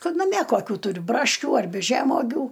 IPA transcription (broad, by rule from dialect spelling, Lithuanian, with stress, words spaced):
ˈkɐt nɐˈmʲiɛ koːˈkʲuː tʊˈrʲʊ ˈbrɑːʃʲkʲuː ɐrʲˈbʲɪ ˈʒʲæːmoːɡʲuː